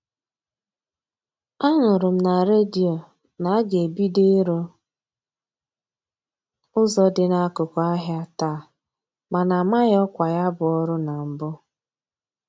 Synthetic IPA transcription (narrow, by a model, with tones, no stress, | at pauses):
a˦ŋʊ˨ɾʊ˨m̩˦na˨ɾe˦di˨o˨ | na˨a˦ɡe˨bi˦de˦ɾo˦ | ʊ˦zɔ˦dɪ˨na˨a˦kʊ˨kʊ˨a˦ɦja˦taː˦˨ | ma˨na˨ma˦ɣɔ˦kʷa˨ja˦bʊ˨ɔ˦ɾʊ˦na˨m̩˨bʊ˦